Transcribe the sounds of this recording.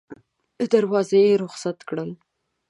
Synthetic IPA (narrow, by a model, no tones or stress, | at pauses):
d̪aɾwɑzajeɾʊxsat̪kɽəl